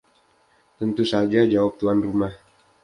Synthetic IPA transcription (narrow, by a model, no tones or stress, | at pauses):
t̪ənt̪usad͡ʒad͡ʒawap̚t̪uanrumah